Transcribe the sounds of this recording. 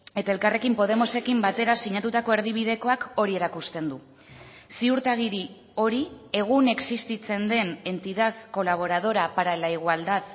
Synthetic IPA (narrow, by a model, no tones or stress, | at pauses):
e̞t̪ae̞lkare̞kimpo̞ð̞e̞mo̞se̞kimbat̪e̞ɾasiɲat̪ut̪ako̞e̞ɾð̞iβ̞ið̞e̞ko̞ako̞ɾie̞ɾakust̪e̞nd̪u | siuɾt̪aɣ̞iɾi | o̞ɾie̞ɣ̞une̞ksist̪it͡se̞nd̪e̞ne̞nt̪iðaðko̞laβ̞o̞ɾað̞o̞ɾapaɾaelaiɣ̞uald̪að